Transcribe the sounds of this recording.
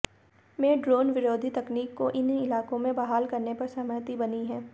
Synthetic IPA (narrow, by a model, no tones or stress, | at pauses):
mẽːɖɾoːnʋɪɾoːd̪ʱit̪ɐkniːkːoʔɪnɪlaːkõmẽbaɦaːlkɐɾnepɐɾsɐməɾt̪ibɐniɦɛ̃ː